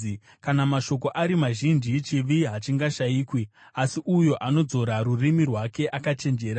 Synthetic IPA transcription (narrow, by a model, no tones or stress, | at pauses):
kanamaʃo̞ko̞ʔaɾimaʒind͡ʒit͡ʃiʋiɦat͡ʃiŋɡaʃaiːkwi | asiʔujo̞ʔano̞d͡zo̞ɾaɾurimirwake̞ʔakat͡ʃe̞nd͡ʒe̞ːɾa